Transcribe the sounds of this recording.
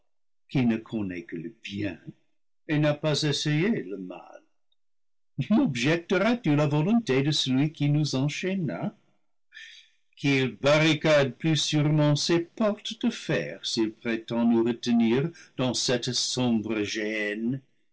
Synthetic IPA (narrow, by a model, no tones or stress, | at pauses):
kinəkʰɔnɛkələbjɛ̰̃ | enapazɛsejeləma̰l | nɔbʒɛk̚təʁatylavɔlɔ̃tedəsəlɥikinuzɑ̃ʃena | kʰilbaʁikad̚plysyʁmɑ̃sepɔʁt̪d̥əfɛ̰ʁsilpʁetɑ̃nuʁətəniʁd̪̥ɑ̃sɛtsɔ̃bʁəʒɛn